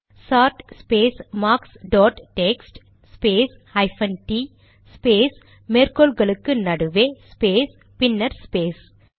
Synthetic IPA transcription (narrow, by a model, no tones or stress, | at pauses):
saːɾʈspeːsmaːksɖɔːʈʈeksʈ | speːs | hɐjpʰɐnʈiː | speːs | meːɾkolɡɐlukːɨnɐɽuʋeːspeːs | pinːɐɾspeːs